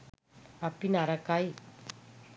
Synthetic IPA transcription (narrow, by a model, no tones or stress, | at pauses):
apinaɾakaj